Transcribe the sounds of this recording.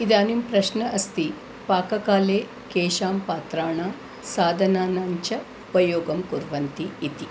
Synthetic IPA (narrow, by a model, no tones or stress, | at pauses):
id̪aːnimpɾɐʃnɐʔɐst̪i | paːkɐkaːleː | keːʃaːmpaːt̪ɾaːɳaː | saːd̪ʱɐnaːnɐɲt͡ʃɐ | upɐjoːɡɐmkuɾʋɐnt̪iːt̪i